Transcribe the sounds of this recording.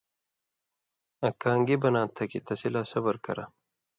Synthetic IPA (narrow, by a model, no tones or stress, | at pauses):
ɐkaːŋɡibɐnãːt̪ʰːɐkit̪ɐsilasɐbɐɾkɐ̰ɾa